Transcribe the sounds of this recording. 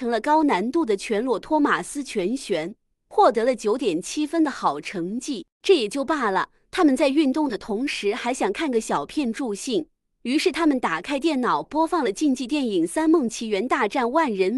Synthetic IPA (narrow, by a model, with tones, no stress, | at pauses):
ɤ˧˥ŋlə˧kɑ˥ʊna˧˥nt̪u˥˩d̪ə˩t͡ɕʰɥɛ˧˥nlwɔ˥˩t̪ʰwɔ˥ma˨˩sɹ̩˥t͡ɕʰɥɛ˧˥nɕɥɛ˧˥n | xwɔ˥˩t̪ɤ˧˥lə˧t͡ɕjo˧˥ʊt̪jɛ˨˩nt͡ɕʰi˥fə˥nd̪ə˨xɑ˨˩ʊʈ͡ʂʰɤ˧˥ŋt͡ɕi˥˩ | ʈ͡ʂɤ˥˩jɛ˨˩t͡ɕjo˥˧ʊpa˥˩lə˩ | t̪ʰa˥mə˨nt͡sa˥˧ɪy˥˧nt̪ʊ˥˩ŋd̪ə˩t̪ʰʊ˧˥ŋʂɻ̩˧˥xa˧˥ɪɕjɑ˨˩ŋkʰa˥˩nɡə˩ɕjɑ˨˩ʊpʰjɛ˥˧nʈ͡ʂu˥˧ɕi˥˩ŋ | y˧˥ʂɻ̩˥˩t̪ʰa˥mə˨nt̪a˨˩kʰa˥ɪt̪̬jɛ˥˩nnɑ˨˩ʊpwɔ˥fɑ˥˩ŋlə˩t͡ɕi˥˧ŋt͡ɕi˥˧t̪jɛ˥˩ni˨˩ŋsa˥nmɤ˥˩ŋt͡ɕʰi˧˥ɥɛ˧˥nt̪a˥˧ʈ͡ʂa˥˩˧nwa˥˩nɻə˧˥n